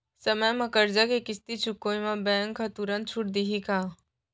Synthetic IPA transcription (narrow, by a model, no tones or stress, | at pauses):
sɐməjmɐ̃kəɾd͡ʒakekɪst̪it͡ʃʰʊkːoːĩmãbɛ̃ːŋɡkʰat̪uɾə̃nt̪̚t͡ʃʰʊʈ̚d̪iɦikaː